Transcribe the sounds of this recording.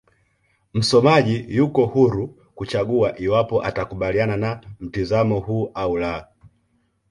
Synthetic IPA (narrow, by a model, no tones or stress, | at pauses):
m̩sɔmaʄijukɔhuɾu | kut͡ʃaɡuaʔiwapɔʔa̰takuɓaliananam̩tizamɔhuːʔaula